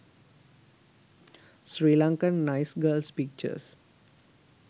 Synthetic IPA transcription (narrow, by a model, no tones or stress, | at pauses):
sɾiːlãŋkə̃nːaɪsɡəːlspik̚t͡ʃə̰s